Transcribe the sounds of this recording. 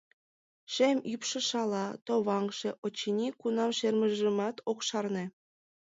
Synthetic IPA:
ʃemʲypʃɤ̆ʃɑlˠɑt̪oβɑŋʃĕʔot͡ɕːinʲikunɑmʃermə̆ʒə̆mɑt̪okʃɑrnĕ

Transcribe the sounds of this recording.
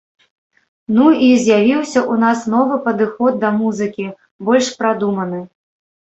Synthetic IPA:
nuizʲjavʲiwsʲɐʔunasn̪ɔvɨpɐd̪ɨxɔd̪̚ːɐmuzɨkʲi | bɔlʲʂpɾad̪umɐnɨ

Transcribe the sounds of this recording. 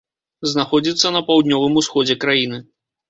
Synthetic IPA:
znaxɔd͡zʲit̪sːɐnɐpawd̪ʲnʲɔvɨmusxɔd͡zʲɛkɾajinɨ

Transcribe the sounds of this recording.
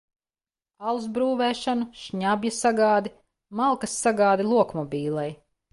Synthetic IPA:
alˠzbɾuːvɛːʃanuʃɲabʲjasaɡaːd̪i | malˠkɐsːaɡaːd̪ilˠuɔkmɔbʲiːlˠɛj

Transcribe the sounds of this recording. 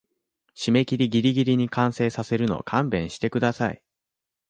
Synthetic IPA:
ɕime̞kʲiɾʲiɡʲiɾʲiɡʲiɾʲiɲ̟ikãɰ̃se̞ːsase̞ɾɯ̟no̞̰kʰãmbẽ̞ɰ̃ɕi̥t̪e̞kɯ̟d̪asai

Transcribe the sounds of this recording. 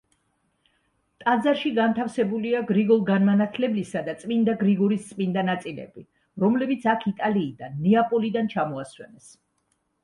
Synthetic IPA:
t̪ʼad̪zaɾʃiɡant̪ʰafsɛbuliaɡɾiɡɔlˠɡanmanat̪ʰlɛblisad̪at̪sʼmind̪aɡɾiɡɔɾist̪sʼmind̪anat̪sʼilɛ̰bi | ɾɔmlɛbit̪sʰakʰit̪ʼaliːd̪anːiapʼɔlid̪ant͡ʃʰamɔaswɛ̰nɛs

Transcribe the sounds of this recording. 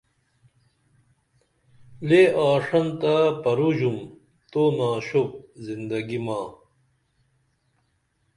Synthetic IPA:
leaːʂɐnt̪apɐɾuʑum | t̪onaːɕop̚zind̪ɐɡimaː

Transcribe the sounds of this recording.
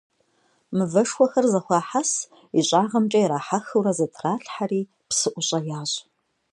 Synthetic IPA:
mɨvɐʂxʷɔxɐrzɐχʷɑːħas | iɕʼaːʁɐmt͡ʃʼɐjɾaːħaxɨwɾɐzɐtʰraːɬħariː | psɨʔʷʊɕʼɐjaːɕ

